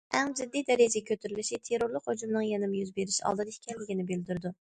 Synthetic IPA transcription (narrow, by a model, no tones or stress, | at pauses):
ʔæŋd͡ʒɪd̪ːijd̪ɛɾed͡ʒeɡʲekʰʲøt̪ʰyɾylɪʃit̪ʰeɾoɾlˠɨqhod͡ʒumnɨŋjenɪmjyzbeɾɪʃɑ̰lˠd̪ɨd̪ɨikʲɛnlːɪɡʲinɪbɪld̪yɾd̪u